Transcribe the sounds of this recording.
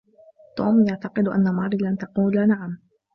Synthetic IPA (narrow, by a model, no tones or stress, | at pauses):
t̪oːmjaʕt̪ɑqɨd̪ʔa̰nːamɑɾˤlant̪ɑquːlanaʕam